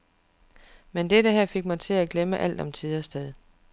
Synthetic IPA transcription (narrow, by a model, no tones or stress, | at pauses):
mend̥eɾəɦæɐ̰fe̝ɡ̥̚mɑt͡sʰe̝æɡ̥leməʔæl̰d̥ɒ̽mt͡sʰiðˠɐsd̥eðˠ